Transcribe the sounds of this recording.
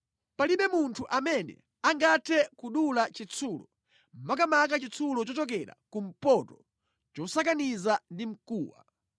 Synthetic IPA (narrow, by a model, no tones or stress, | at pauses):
paliɓɛmuntʰuʔamɛnɛ̰ | aŋɡatʰɛkuɗulat͡ʃit͡sʰulɔ | m̩makamakat͡ʃit͡sʰulɔt͡ʃɔt͡ʃɔk̬ɛɾa̰kum̩pɔtɔ | t͡ʃɔsak̬anizandim̩kuːwa̰